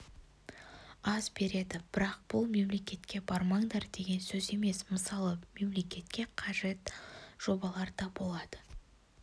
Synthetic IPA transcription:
ɑzbe̞ɾe̞d̪ɪb̥ɪɾɑq̚b̥ʊlˠme̞mle̞kʲe̞t̪kʲe̞bɑɾmɑɴd̪ɑɾd̪e̞ɡʲe̞nsɵze̞me̞sməsɑlˠəme̞mle̞kʲe̞t̪kʲe̞qʰɑʒe̞t̪ʒ̥o̞bɑlˠɑɾd̪ɑbo̞lˠɑd̪̥ə

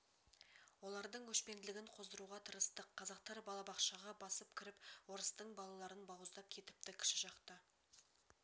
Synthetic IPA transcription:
wo̞lˠɑɾd̪əɴkʰɵʃpe̞nd̪ɪlɪɡʲɪɴqʰo̞zd̪əɾuʁɑt̪ʰəɾəst̪əqʰːɑzɑq̚t̪ɑɾbɑlˠɑbɑqʃɑʁɑbɑsəp̚kʲʰɪɾɪpwo̞ɾəst̪əɴbɑlˠɑlˠɑɾənbɑwəzd̪ɑp̚kʲʰe̞t̪ɪ̥p̚t̪ɪkʲʰɪ̥ʃɪʒɑqt̪ə

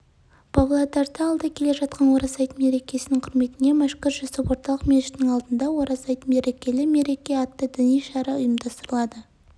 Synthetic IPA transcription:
b̥ɑblˠɑd̪ɑɾd̪ɑːlˠd̪ɑkʲʰe̞le̞ʒɑt̪̚qɑnwo̞ɾɑsɑjt̪me̞ɾe̞kʲe̞sɪnɪŋqʰʊɾme̞t̪ɪne̞mæʃkʊɾʒʊsəpwo̞ɾt̪ɑlˠəqmeʃɪ̥t̪nɪŋɑlˠd̪ənd̪ɑwoɾɑsɑjt̪me̞ɾe̞kʲe̞lɪme̞ɾe̞kʲe̞ɑt̪ːəd̪ɪnijʃɑɾɑʊjəmd̪ɑst̪əɾəlˠɑd̪ə

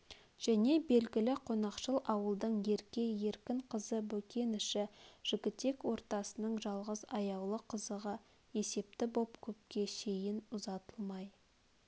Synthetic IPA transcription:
ʒ̥æne̞be̞lɡʲɪlɪqʰo̞nɑqʃəlˠɑwəlˠd̪əɴje̞ɾkʲe̞je̞ɾkʲɪɴqʰəzəbɵkʲe̞nɪʃɪʒ̥ɪɡʲɪt̪ːe̞kwo̞ɾt̪ɑsənəɴʒɑlˠʁəzɑjɑwlˠəqʰəzəʁə | e̞se̞p̚t̪ɪbo̞pkʲʰɵp̚kʲe̞ʃe̞jɪnʊzɑt̪əlˠmɑj

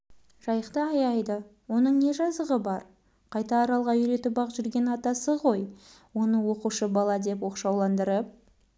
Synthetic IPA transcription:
ʒ̥ɑjəqt̪əɑjɑjd̪əwo̞nəɴne̞ʒɑzəʁəbɑɾ | qʰɑjt̪ɑːɾɑlˠʁɑʏɾe̞t̪ɪbɑqʒʏɾɡʲe̞nɑt̪ɑsəʁo̞j | wo̞nəwo̞quʃəbɑlˠɑd̪e̞pwo̞qʃɑwlˠɑnd̪əɾəp̚

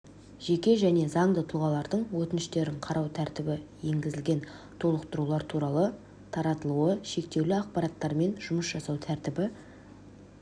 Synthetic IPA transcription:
ʒ̥e̞kʲe̞ʒæne̞zɑɴd̪ət̪ʰuʁɑlˠɑɾd̪əɴwɵt̪ɪnɪʃt̪e̞ɾɪɴqʰɑɾɑwt̪ʰæɾt̪ɪbɪje̞ŋɡʲɪzɪlɡʲe̞n | t̪ʰo̞lˠəqt̪əɾulˠɑɾt̪ʰuɾɑlˠə | t̪ʰɑɾɑt̪əlˠuəʃe̞k̚t̪e̞wlɪɑqpɑɾɑt̪ːɑɾme̞nʒʊməsʒ̥ɑsɑwt̪ʰæɾt̪ɪbɪ

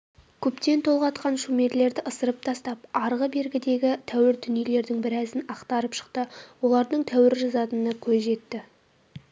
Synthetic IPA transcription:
kʲʰɵpt̪e̞nt̪ʰo̞lˠʁɑt̪qɑnʃume̞ɾle̞ɾd̪ɪʔəsəɾəp̚t̪ʰɑst̪ɑp̚ɑɾʁəbe̞ɾɡʲɪd̪e̞ɡʲɪt̪ʰæwɪɾd̪ʏnije̞le̞ɾd̪ɪŋbɪɾæzɪnɑqt̪ɑɾəpʃə̥qt̪əwo̞lˠɑɾd̪əɴt̪ʰæwɪɾʒɑzɑt̪ənəkʲʰɵzʒe̞t̪ːɪ

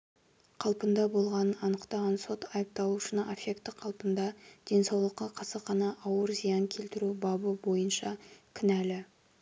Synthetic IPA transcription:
qʰɑlˠpənd̪ɑbo̞lˠʁɑnənɑnəqt̪ɑʁɑnso̞t̪ʰɑjəp̚t̪ɑlˠuʃənɑʔefekt̪ːɪqʰɑlˠpənd̪ɑd̪̥e̞nsɑwlˠəqːɑqʰɑsəqɑnɑʔɑwəɾzijɑŋkʲʰe̞lt̪ɪɾubɑbəbo̞jənʃɑkʲʰɪnælɪ

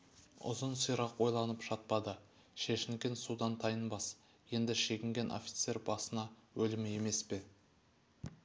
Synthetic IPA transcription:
ʊ̰zənsijɾɑqwo̞jlˠɑnəpʒɑt̪̚pɑd̪ə | ʃeʃɪnkʲensud̪ɑnt̪ʰɑjənbɑs | je̞nd̪ɪʃe̞ɡʲɪŋɡʲe̞nʔo̰fʲi̥t̪se̞ɾbɑsənɑwɵlɪmɪje̞me̞spe̞

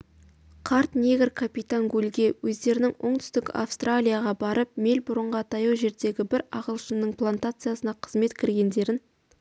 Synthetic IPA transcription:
qʰɑɾt̪nʲeɡʲɪrkʰapijt̪aŋɡʲɵlʲɡʲe̞wɵzd̪e̞ɾɪnɪŋwoɴt̪ʰʏ̥st̪ɪka̰fst̪ralʲijaʁɑbɑɾəp̚me̞lʲbʊɾəɴʁɑt̪ʰɑjuwʒe̞ɾd̪e̞ɡʲɪbɪɾɑ̰ʁəlˠʃənnəɴpʰlˠant̪at̪sɨjasənɑqʰə̥zme̞t̪kʲʰɪɾɡʲe̞nd̪e̞ɾɪn

